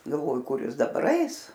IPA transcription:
ɡɐlˠˈʋoːjʊ ˈkʊr ˈjɪs dɐˈbɐr ˈɐɪs

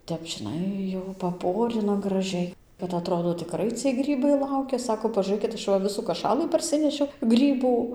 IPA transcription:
ˈtʲɛp ʒʲɪˈnɐɪ jɛʊ pɐˈpoːrʲɪnɐ ɡrɐˈʒʲɛɪ kɐt ɐˈtroːdoː tʲɪkˈrɐɪ t͡sʲiɛj ˈɡrʲiːbɐɪ ˈlˠɐʊkʲɛ ˈsɑːkoː pɐʒuːˈrɘkʲɪt ˈɐʃ ʋɐ ˈʋʲɪsuː kɐˈʃɑːlˠɨ pɐrʲˈsʲɪnʲɛʃʲɛʊ ˈɡrʲiːbuː

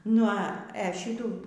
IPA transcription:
nʊ ɐ ɛ ˈʃʲiːtuː

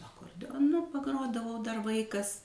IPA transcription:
ɐkoːrʲdʲɛoːˈnʊ pɐˈɡroːdɐʋɐʊ dɐr ˈʋɐɪkɐs

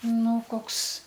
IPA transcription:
ˈnʊ ˈkoːks

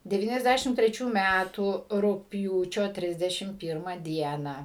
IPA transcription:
dʲɛˌʋʲiːnʲɛzʲˈdʲæʃʲɪm tʲrʲɛˈt͡ʃʲuː ˈmʲætuː rʊkpʲˈjuːt͡ʃʲoː ˈtʲrʲɪzʲdʲɛʃʲɪm ˈpʲiːrmɐ ˈdʲiɛnɐ

